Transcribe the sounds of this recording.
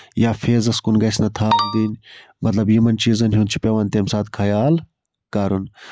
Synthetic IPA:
jaːfʰeːzɐskunɡɐsnɐt̪ʰaːnd̪inmɐt̪lɐbjimɐnt͡ʃiːzɐnɦunt͡ʃʰi̥pʲɐʋɐnʲt̪emsaːt̪kʰɐjaːl | kaːɾun

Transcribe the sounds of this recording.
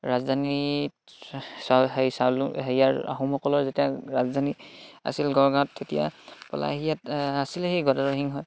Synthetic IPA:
ɹazd̪ʱani | saɦesalɦeijaɹa̰ɦumhɔkɔlɔɹzetijaɹazd̪ʱania̰silɡɔɹɡaɔtʰːetija̰pɔ̰la̰ɦijatasilehejɡɔadaɹɔɦiŋɦɔj

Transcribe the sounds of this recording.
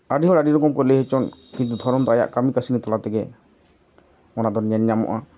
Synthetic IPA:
aɖiɦɔɾaɖiɾɔkɔmkɔlɛɦɛt͡ʃɔnkint̪ud̪ʱɔɾɔnd̪ɔaja̰ʔkamikasinit̪ɔlat̪ɛɡɛ | ɔnad̪ɔɾɲɛnɲamɔ̰ʔa

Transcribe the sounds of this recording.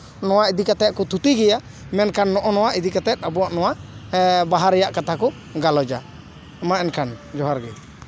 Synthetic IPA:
nɔwaʔid̪ikat̪ɛt̪̚kɔt̪ʰut̪iɡɛja | mɛnkanːɔʔɔnɔwaʔid̪ikat̪ɛt̪̚ˀabuaʔnɔwaʔbaɦaɾɛjaʔkat̪ʰakɔ | ɡalɔd͡ʒa | maɛnkʰand͡ʒɔɦaɾɡɛ

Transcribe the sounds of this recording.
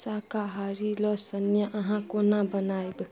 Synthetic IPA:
sakaɦaɾilɔsənjaʔʌɦãkonãbənajbɨ

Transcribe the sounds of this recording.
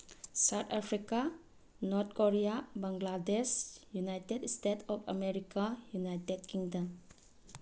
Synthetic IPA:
sawt̪ʰapʰɾika | nɔt̪̚koɾiabaŋɡladesjunajtedstetʰɔpʰa̰meɾikajunajtedkiŋdam

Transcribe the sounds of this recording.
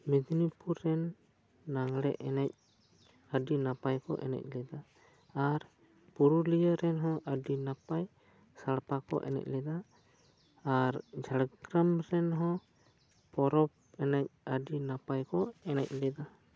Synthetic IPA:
mɛd̪nipuɾːɛnː | aŋlɛʔɛnɛc̚ | əɖinapajkɔ̰ʔɛ̰nɛ̰c̚ˀlɛd̪aː | ɾ | puɾulijəɾɛnɦɔ̃ʔəɖinapaj | saɽpakɔ̰ʔɛ̰nɛ̰c̚lɛd̪aː | ɾd͡ʒaɽɡɾamɾɛnɦɔ̃ | pɔɾɔp̚ | ɛnac̚əɖinapajkɔɛnɛc̚ˀlɛd̪a

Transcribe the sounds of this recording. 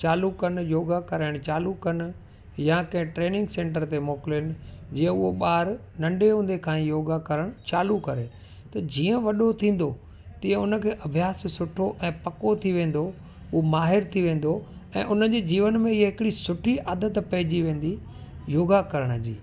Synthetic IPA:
t͡ɕaːlukɐn̆joːɡakɐɾaːɪɽ̃t͡ɕaːlukɐnɪ̆ | jakɐ̃ɦɪ̃ʈɾeːnɪ̃ŋɡsẽːɳʈəɾt̪emoːkɪlɦɪnɪ̆d͡ʑiːə̃ʊɦoɓaːɾ | nɐ̃ɳɖeɦũːnd̪ekʰãːĩjoːɡakɐɾəɽ̃t͡ɕaːlukɐɾe | t̪ɐd͡ʑiːə̃ʋɐɗot̪ʰĩːn̆d̪o | t̪ĩːə̃ʊnə̆kʰeːʔɐbʱijaːssʊʈʰoʔɛ̃ːpɐkot̪ʰiʋẽːn̆d̪o | omaːɦɪɾt̪ʰiʋẽːn̆d̪oɛ̰̃ːʔʊnəd͡ʑeːd͡ʑiːʋənmẽɪɦeɦɪkɪɽisʊʈʰiʔaːd̪ət̪pɐɦɪd͡ʑiʋẽːn̆d̪i | joːɡakɐɾəɽ̃d͡ʑḭː

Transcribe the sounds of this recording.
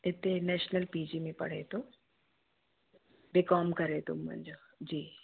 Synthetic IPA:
ɪt̪ːenɛːʃnəlpiːd͡ʒimẽpɐ̰ɽ̤ḛt̪õ | bɪkɔːmkɐɾet̪ʊmːɐ̰̃nd͡ʒoː | d͡ʒiː

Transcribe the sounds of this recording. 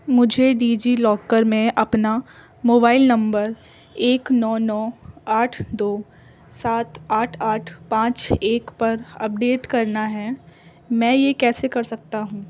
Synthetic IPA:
mʊd͡ʒʱeɖiːd͡ʒilɔːkəɾmẽʔɐpna | moːbaːɪlnɐ̃mbəɾ | eːknɔːnɔːaːʈʰd̪oː | saːt̪aːʈʰaːʈʰpãːt͡ʃeːkpɐɾɐ̰p̚ɖeːʈkɐɾnaɦɛː | mɛ̃ːjekɛːsekɐɾsɐk̚t̪aɦũː

